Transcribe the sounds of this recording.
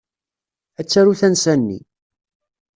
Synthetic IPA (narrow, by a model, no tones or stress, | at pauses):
æt͡sːæɾuθænsænːḭ